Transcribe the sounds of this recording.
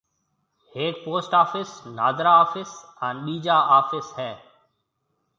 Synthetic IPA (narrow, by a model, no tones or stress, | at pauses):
heːk̚poːsʈaːfɪsnaːd̪ɾaːaːfɪsãːnɓiːd͡ʒaːʔaːfɪsɦɛː